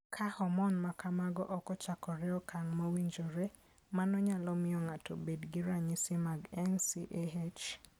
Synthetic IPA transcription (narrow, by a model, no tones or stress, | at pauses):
kʰahɔmɔnmakamaɡɔ̰ʔɔkɔt͡ʃakɔɾɛɔkaŋmawiɲd͡ʒoɾe | manɔɲalɔmɪɔŋatʰobedɡɪɾaɲɪsɪmaɡɛnsiʔeɦet͡ʃ